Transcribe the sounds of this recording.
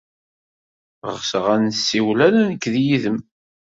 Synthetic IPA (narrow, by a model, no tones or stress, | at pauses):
ʁə̰ʁsəʁænsːiwlænænəkːðjiðəm